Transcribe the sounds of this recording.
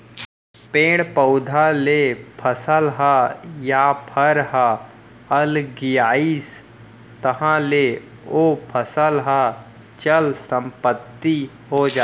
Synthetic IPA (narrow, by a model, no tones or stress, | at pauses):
pẽːɽ̃pəʊd̪ʱalepʰəsəlɦajapʰəɾɦa | əlɡɪjaːiːs | t̪əɦãle | opʰəsəlɦa | t͡ʃəlsə̃mpət̪ːi | ɦod͡ʒa